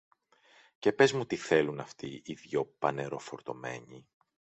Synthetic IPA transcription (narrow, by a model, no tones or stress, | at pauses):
ce̞pe̞zmut̪iθe̞lunɐft̪iiðʝo̞pɐne̞ɾo̞fo̞ɾt̪o̞me̞̰ɲi